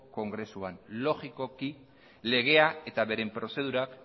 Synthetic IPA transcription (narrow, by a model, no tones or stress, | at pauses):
ko̞ŋɡɾe̞suanlo̞ɣiko̞ki | le̞ɣ̞e̞ae̞t̪aβe̞ɾe̞mpɾo̞se̞ð̞uɾak